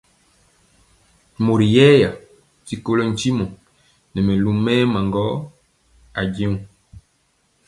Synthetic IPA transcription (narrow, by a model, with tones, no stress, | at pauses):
mo˨ɾi˨jɛ˦ja˨ | ti˦ko˦lo˦n̩˨˦t͡ʃi˦mɔ˨ | nɛ˨mɛ˨lu˦mɛː˦ma˨ŋɡɔ˦ | a˨ɟe˦u˨